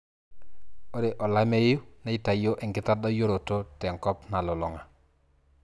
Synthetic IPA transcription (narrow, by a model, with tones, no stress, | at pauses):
o˦ɾe˨ʔo˨la˦me˦ju˦na˦i˦ta˨jo˦ʔɛ˨ŋkɪ˦ta˦da˦jo˦ɾo˨to˦te˨ŋkɔ˦pna˨lɔ˨lo˨ŋa˨